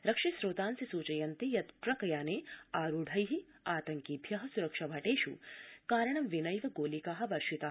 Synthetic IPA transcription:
ɾɐkʂisɾoːt̪aːnsisuːt͡ʃɐjɐnt̪ejɐt̪pɾɐkɐjaːneːaːɾuɖʱɐjɦi | aːt̪ɐŋkiːbʱjɐɦɐ̆suɾɐkʂɐbʱɐʈeːʃṵkaːɾɐɳɐmʋinɐjʋɐɡoːlikaːɦɐ̆ʋɐɾʃit̪aː

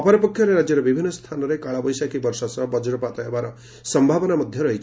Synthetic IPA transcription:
ɔpɔɾɔpɔkʰjɔɾeɾad͡ʒjɔɾɔbibʱinːɔst̪ʰanɔɾekaɭabɔjsakibɔɾsɔsɔbɔd͡ʒɾɔpat̪ɔɦebaɾɔ | sɔmbʱabɔnamɔd̪ʱjɔɾʌɦit͡ʃʰ

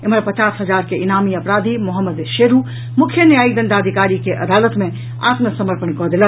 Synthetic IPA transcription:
eməɾpət͡ʃaːsɦəd͡ʒaːɾkeʔinaːmiɐpɾaːd̪ʱimʊɦəmːəd̪ʃeːɾu | mʊkʰːjənjaːid̪ə̃nd̪aːd̪ʱikaːɾikeʔɐ̰d̪aːlət̪mẽ | a̰ːt̪məsəməɾpənkɔd̪ilə

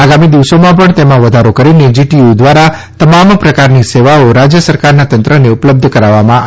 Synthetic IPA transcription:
aɡamid̪iʋsomãp̬əɳt̪emãʋəd̪ʱaɾokəɾined͡ʒiʈiud̪ʋaɾa | t̪əmampɾəkaɾniseʋaoɾad͡ʒjəsəɾkaɾnat̪ənt̪ɾəneʊpləb̚d̪ʱkəɾaʋːamã

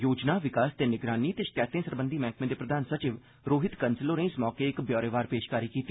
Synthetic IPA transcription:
joːd͡ʒnaːʋɪkaːst̪eːnɪɡɾaːniːt̪eːʃɪ̥kɛːt̪ẽːsəɾbə̃nd̪iːmɛ̃ːŋkʰmẽːd̪eːpɾəd̪ʱaːnsət͡ʃɪʋ | ɾoːɦɪt̪kənsɪloːɾẽːsmɔːkeːɪkbjɔːɾeːʋaːɾpeːʃkaːɾiːkiːt̪iː

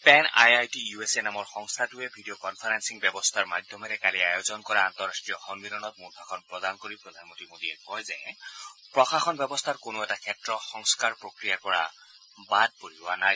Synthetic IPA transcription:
pɛna̰jajtijuesenamɔɹxɔŋst̪ʰatuɛbʱidijokɔnpʰaɹansiŋbjɛbɔst̪ʰaɹmad̪ʱjɔmɛɾɛkaliajozɔnkɔɹaant̪ɔɹastɹijɔxɔnbiɾɔnɔt̚muɾbʰʱaxʰɔnpɹɔdankoɹipɹɔd̪ʱanmɔntimodiɛkɔjzɛ | pɹɔxaxɔnbjɛbɔst̪ʰaɹkonoɛtakʰɛtɹɔxɔŋskaɹpɹokɹijaɹkɔɹa̰ | bad̚poɹiwanaj

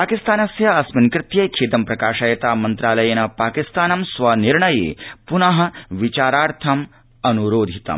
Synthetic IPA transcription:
paːkist̪aːnɐsjɐɐsminkɾɪt̪jɐjkʰeːt̪ɐmpɾɐkaːʂaːjɐt̪aːmɐnt̪ɾaːlɐjɐnɐpaːkist̪aːnɐmsʋɐniɾɳɐjḛːpunɐɦɐ̆ʋit͡ʃaːɾaːɾt̪ʰɐm | ɐnuɾoːd̪ʱit̪ɐ̰m

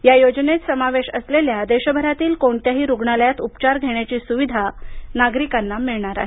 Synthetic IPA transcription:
jajod͡ʑnet͡ssəmaʋeɕəsleljad̪eɕəbʱəɾat̪iːlkoɳt̪jaɦiːɾuɡɳaljat̪upt͡ɕaɾɡʱeɳjat͡ɕiːsuʋid̪ʱanaɡɾikanːamiɭɳaɾa̰ɦe

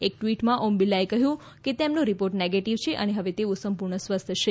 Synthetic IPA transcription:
ek̚ʈʋiʈmãʔombilaekəɦjũ | ket̪emnũɾipoɾʈneɡeʈiʋt͡ʃʰeʔəneɦəʋet̪eusəmpuɾɳəsʋəst̪ʰəʃe

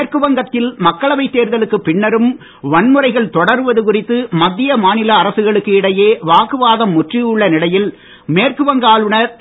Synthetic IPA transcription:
rkɯʋɐŋɡɐt̪ːɪlmɐkːɐɭɐʋɐɪt̪ːeːɾðɐlɯkːɯpːɪɳːɐɾɯm | ʋɐɳmɯrɐɪɣɐɭt̪ɔɽɐɾɯʋɐðɯkʊrɪt̪ːɯmɐd̪ːɪjɐmaːnɪlɐːɾɐsɯɣɐɭɯkːɯɪɽɐjeːʋaːkɯʋaːðɐmːʊʈrijɯɭːɐnɪɽɐjɪl | meːrkɯʋɐŋɡaːlɯɳɐ

